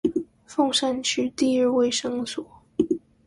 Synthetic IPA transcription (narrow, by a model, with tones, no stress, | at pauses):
fo˥˧ŋʂa˥nt͡ɕʰy˥t̪i˥˧ɻ̩˥˧we˥˩ɪʂɤ˥ŋswɔ˨˩˦